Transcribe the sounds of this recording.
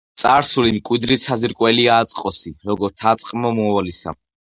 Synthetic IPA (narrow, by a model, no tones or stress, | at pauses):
t̪sʼaɾsulimkʼwid̪ɾisaziɾkʼwɛliaːt̪sʼqʼɔsiɾɔɡɔɾt̪sʰat̪sʼqʼmɔmuawalisa̰